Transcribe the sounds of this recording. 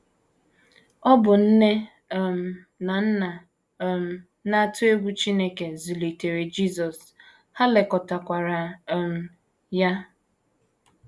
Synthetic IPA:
ɔ˦bʊ˨n̩˦ne˦˨ | m̩˨ | na˨n̩˦na˨ | m̩˨ | na˦tʊ˦e˦ɡʷu˦t͡ʃi˦ne˦ke˨zi˨li˨te˨ɾe˨d͡ʒi˦˨zɔ˨s | ha˦le˨kɔ˨ta˨kʷa˨ɾa˨m̩˨˦ | ja˦

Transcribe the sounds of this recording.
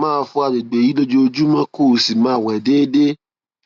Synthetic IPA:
mãː˦˧fũ˧˦a˧de˨ɡ͡be˨ji˨˦lo˦d͡ʒo˧d͡ʒu˦mã˦ko˦˨si˨mã˦˨wɛ˨deː˦de˦

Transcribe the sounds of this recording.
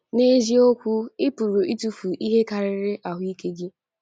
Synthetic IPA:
ne˦zi˦o˦kʷu˦ɪ˦pʊ˨ɾʊ˨i˦tu˦fu˨ʔi˦ɦe˦ka˨ɾɪ˦ɾɪ˦ʔa˨ɦʊ˦i˦ke˦ɡɪ˦

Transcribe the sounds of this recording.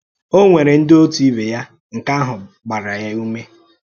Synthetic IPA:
o˦ŋʷe˨ɾe˨n̩˦do˦tu˨i˦be˨ja˦ | ŋ̩˨ka˦ɦʊ˨ | ɡ͡ba˨ɾa˨ja˦u˦me˦

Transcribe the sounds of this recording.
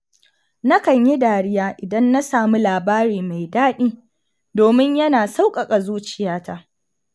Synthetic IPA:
na˦kɐ˨ɲji˦daː˨ɽɪ˦jaː˦ʔɪ˨dɐ˦nːa˦saː˨mu˦laː˨baː˦ɾiː˨ma˨jdaː˦ɗiː˦ | doː˨mɪ˦ɲjɐ˦naː˨sa˦wkʼɐ˨kʼa˨zuː˦t͡ʃɪ˨jaː˦ta˦ʔ

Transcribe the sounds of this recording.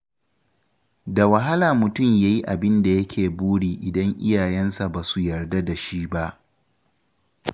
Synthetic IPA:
da˨wɐ˨ɦa˦laː˨mʊ˨tʊ˦˨mjaː˦ji˦ʔa˨bɪ˦nda˨jɐ˦kʲʰeː˨buː˦ɽiː˨ʔɪ˨dɐ˦ŋʔɪ˦jaː˨jɛ˦nsa˨baː˨su˨jɐ˨rda˦da˨ʃiː˦ba˦ʔ

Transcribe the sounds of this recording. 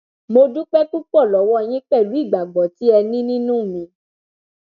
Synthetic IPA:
mo˧du˦k͡pɛ˦ku˦k͡pɔ˦˨lɔ˨˦wɔ˦˧j̃ĩ˦k͡pɛ˦˨lu˨˦i˦˨ɡ͡ba˨ɡ͡bɔ˨ti˨˦ɛ˧nĩ˦nĩ˦nũ˦˨mĩ˧˦

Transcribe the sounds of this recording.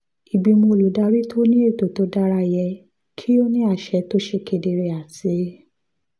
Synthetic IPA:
i˨ɡ͡bi˧mo˧lu˨˦da˧ɾi˦tʰo˦nĩ˦e˦˨to˨to˨˧˦da˦ɾa˦˧jɛ˧ | kʰi˦o˦nĩ˦a˦˨ʃɛ˨˧to˦ʃe˧˨ke˧de˧ɾe˧a˨ti˨˦

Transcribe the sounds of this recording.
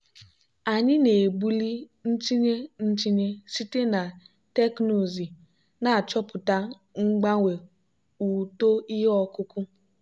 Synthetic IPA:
a˨ɲɪ˦ne˨bu˦li˦n̩˦t͡ʃi˦ɲe˦n̩˦t͡ʃi˦ɲe˦si˦te˦na˨ | te˦kno˨zi˨ | na˨a˨t͡ʃɔ˦pʊ˨ta˦ | ŋ͡m̩˦ɡ͡ba˦ŋʷe˨ | u˨to˦i˦ɦe˦ɔ˦kʊ˦kʊ˦

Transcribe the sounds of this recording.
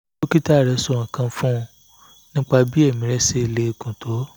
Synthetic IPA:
o˦ki˦ta˦˨ɾɛ˨˧so˧˨ŋ̩̃˨kã˧fũ˦˧ | nĩ˦k͡pa˧bi˦ɛ˦˨mĩ˨˦ɾɛ˦se˦˧le˧˨kũ˨tʰo˨˦

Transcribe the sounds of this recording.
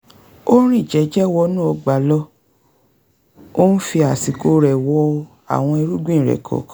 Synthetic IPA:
o˦ɾ̃ĩ˦˨d͡ʒɛ˨˦d͡ʒɛ˦˨wɔ˧˦nũ˦o˧ɡ͡ba˨˦lɔ˦ | o˦n̩˦fi˧a˨si˨ko˧ɾɛ˨wɔ˧ | a̰˨w̃ɔ̃˧i˧ɾu˦ɡĩ˦˨ɾɛ̰˨kʰɔ̰˨k

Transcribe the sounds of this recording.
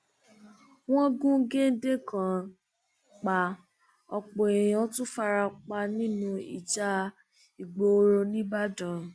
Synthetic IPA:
w̃ɔ̃˦ɡũ˦ɡe˦n̩˦de˦kã˨ | k͡pa˨ | ɔ˧k͡po˨e˨j̃ã˨˧˦tũ˦fa˧ɾa˧k͡pa˧nĩ˦nũ˧ḭ˨d͡ʒa˧ | i˨ɡ͡bo˨˦ɾo˧nĩ˦ba˦dã˨

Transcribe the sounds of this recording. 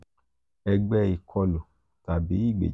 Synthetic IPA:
ɛ˧ɡ͡bɛ˧i˨kʰɔ˧lo˨ | ta˨bi˨˦i˦˨ɡ͡bḛ˨

